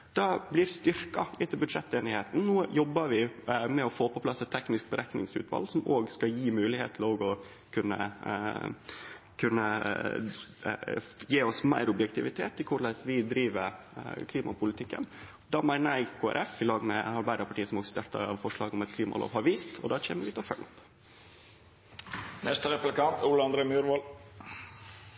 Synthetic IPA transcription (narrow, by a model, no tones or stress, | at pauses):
d̪̥ɑblɪɾst̪ʏɾkɑɪt̪ɪlbʉd̪ʂɛt̪ːeːnɪheːt̪n̩nuːjɔbːəʋɪmɛɔfoːpɔpʰlɑsːɛt̪ʰːɛknɪsk̚bəɾʔæknɪ̰ŋsʉ̰ːt̪ʰʋɑ̰lːsɔmoːɡskɑjiːmʉːlɪhḛːt̪ʰl̩oːɡɔ | kʰʉnːə̰ | kʰʉnːə | jeːɔsmæ̰ɪɾʊbjɛkt̪ʰɪʋɪt̪ʰḛːt̪ʰːɪlkʰʊɭæɪsʋɪd̪ɾiːʋəɾ | kʰliːmʔɑpʰʊlɪt̪ʰɪkːə̰n | d̪ɑːmæɪnæɪkʰoːæ̰ɾʔɛfɪlɑːɡmɛɑɾbæɪɾəpʰɑʈiːəsɔmoːɡst̪eɾt̪ə̰ɑ̰ʋfɔʂlɑːɡɔmɛt̪kʰliːmɑ̰lo̰ːʋhɑɾʋiːst̪ɔ̰d̪ɑːt͡ʃʰḛːməɾʋɪt̪ʰɛfœɳʊp | nɛst̪əɾɛplɪkɑnt̪ʰuləɑnd̪ɾeːmʉːɾʋɔl